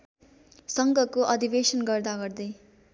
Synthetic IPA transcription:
sʌŋɡʱʌkoʔʌd̪ʱiʋeːʃənɡʌɾd̪aɡʌɾd̪i

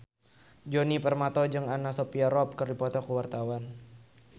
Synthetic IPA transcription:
d͡ʒonipərmat̪ɔd͡ʒɨŋanasopiaɾɔp̚kərdipɔt̪ɔkuwart̪awan

